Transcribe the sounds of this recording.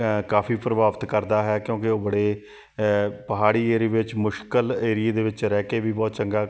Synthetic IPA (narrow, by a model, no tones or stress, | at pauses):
kaːpʰiːpɾəbaːʋət̪kəɾd̪aːɦɛːkjõːkɪoːbəɽeː | pəɦaːɽiːeːɾiːʋɪt͡ʃmʊʃkəleːɾɪeːd̪eːʋɪt͡ʃɾɛːkeːʋiːbɔːt̪t͡ʃəŋɡaː